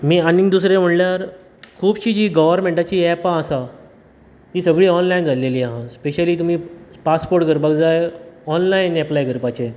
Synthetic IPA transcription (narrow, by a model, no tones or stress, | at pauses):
miːaniŋd̪usɾẽm̤əɽljaɾ | kʰuːbɕiːd͡ʑiːɡəʋəɾmẽɳʈat͡ɕiːɛpãːsa | ɦiːsəɡɭiːɔnlajnd͡zʱaɽleliːaɦãspeɕəliːt̪um̤iːpaspoɾʈɡʱəɾbakd͡zajeɔnlainɛplajɡʱəɾpat͡ɕe